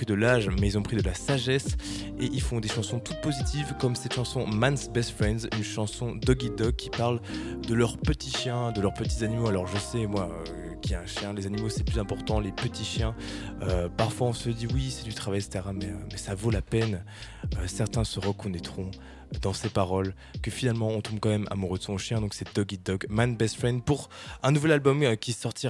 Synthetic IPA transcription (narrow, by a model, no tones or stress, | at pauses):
pid̪əlaʒmɛilzɔ̃pχid̪əlasaʒɛs | eʔilfɔ̃d̪eʃɑ̃sɔ̃t̪ut̪̚pozit̪ʰivkɔmsɛt̪ʃɑ̃sɔ̃mansbɛst̪fχɛ̃nd̪zynʃɑ̃sɔ̃d̪ɔɡid̪ɔkkʲːipaʁld̪əlœʁpət̪ʰiʃjɛ̃d̪əlœʁpət̪̬izanimoalɔʁʒəsɛmwaø̰ | kʲiaɛ̃ʃjɛ̃lezanimosɛplyzɛ̃pɔʁt̪ɑ̃lepət̪ʰiʃjɛ̃øpaʁfwaɔ̃səd̪iwisɛd̪yt̪χavajsə̥t̪eʁamɛømɛsavolapɛn | øsɛʁt̪ɛ̃səʁəkɔnɛt̪χɔ̃ | d̪ɑ̃sepaʁɔl | kəfinalmɑ̃ɔ̃t̪ũbkɑ̃mɛma̰muʁød̪əsɔ̃ʃjɛ̃d̪ɔ̃ksɛd̪ɔɡʲid̪ɔɡmanbɛst̪fɛnd̪puʁɛ̃nuvɛlalbɔmkʲisɔʁt̪ʰi